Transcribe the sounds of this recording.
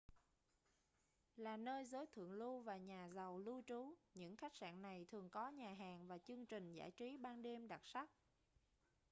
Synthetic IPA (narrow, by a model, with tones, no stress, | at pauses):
laː˨˩nəː˧jzəː˨˦jt̪ʰɨ̰˧˨əŋlu˧vaː˨˩ɲaː˨˩zə˨˩wlu˧t͡ɕu˨˦ɲɨ̰˧˥ŋxa˦˥jk̟̚sa̰ː˧˨nna˨˩jt̪ʰɨ˨˩əŋkɔ˨˦ɲaː˨˩ɦaː˨˩ŋvaː˨˩t͡ɕɨ˧əŋt͡ɕï˨˩ŋ̟za̰ː˧˩jt͡ɕi˨˦ɓaː˧nɗe˧mɗa˨˩t̚sa˦˥k̚